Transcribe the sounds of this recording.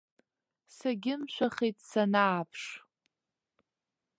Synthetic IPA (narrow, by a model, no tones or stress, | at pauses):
saɡʲɪmʃʷᶣaχijtʼsanaːpʰʂ